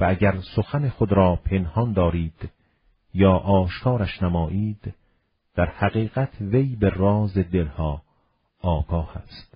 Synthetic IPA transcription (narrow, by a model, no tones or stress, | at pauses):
vææɟæɾsoxænexod̪ɾɒːpʰe̞nhɒnd̪ɒːɾiːd̪̥ | jɒːʔɒːʃkʰɒːɾæʃnæmɒːʔiːd̪ | d̪̥æɾhæɣiːɣæt̪ʰvejberɒːzed̪elhɒː | ɡɒːhæst̪